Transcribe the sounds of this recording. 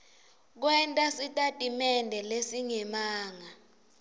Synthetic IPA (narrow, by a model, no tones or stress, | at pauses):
k̬wɛntʼasitʼatʼimɛndʱɛlesiŋɛmaːŋa